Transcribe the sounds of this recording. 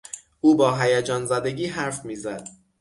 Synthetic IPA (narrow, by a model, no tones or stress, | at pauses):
ʔuːbɒːɦæjæd͡ʒɒːnzæd̪eɟiːɦæɾfmiːzæd̪̥